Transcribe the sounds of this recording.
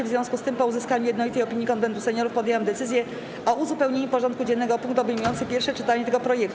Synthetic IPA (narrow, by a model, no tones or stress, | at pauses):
ɛvzvʲɔ̃w̃skust̪ɘmpɔuzɘskaɲujɛd̪nɔlit̪ɛjɔpʲiɲjikɔnb̪ɛnd̪usɛɲɔɾufpɔd̪ʲjewamd̪ɛt̪sɘzʲjɛ | ɔʔuzupɛwɲeɲupɔʐɔ̃nt̪kud͡ʑɛnːɛɡɔpuŋk̚t̪ɔbəjmujɔnt̪sɘpʲjɛɾfʂɛt͡ʂɘt̪aɲɛt̪ɛɡɔpɾɔjɛkt̪